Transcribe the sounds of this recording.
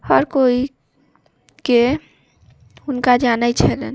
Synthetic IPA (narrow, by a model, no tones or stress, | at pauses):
həɾkoi | ke | unkad͡ʒanət͡ʃʰɛlɛn